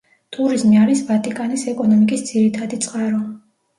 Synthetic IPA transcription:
t̪ʼuɾizmiaɾisvat̪ʼikʼanisɛkʼɔnɔmikʼisd̪z̥iɾit̪ʰad̪it̪sʼqʼaɾɔ

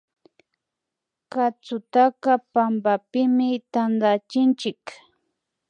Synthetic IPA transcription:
kat͡sʊt̪akapambapɪmɪt̪and̪at͡ʃɪnt͡ʃɪk

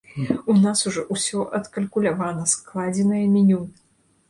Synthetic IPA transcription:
unasuʐɔʔusʲɔʔɐt̪kɐlʲkulʲavanɐsklˠad͡zʲɛnɐjɐmʲinʲun

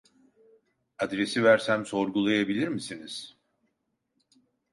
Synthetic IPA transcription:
ad̪ɾe̞sivæɾsæmso̞ɾɡulˠajabilʲiɾmisiniz̥

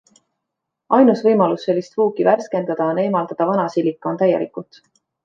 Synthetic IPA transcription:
ʔɑjnusvɤjmɑlusːe̞lʲːist̪vuːkiværske̞nd̪̥ɑd̪ɑone̞ːmɑld̪̥ɑd̪̥ɑvɑnɑsilːikːˑo̞nt̪æjelikˑut̪

